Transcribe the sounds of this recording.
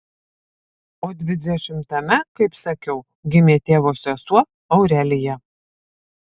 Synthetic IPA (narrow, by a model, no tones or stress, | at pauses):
oːd̪ʲʋʲɪd̪ʲɛʃʲɪmt̪ɐmʲɛkɐɪpsɐkʲɛʊ | ɡʲɪmʲeːt̪ʲeːʋoːsʲɛsuɔ | ɒʊɾʲælʲɪjɛ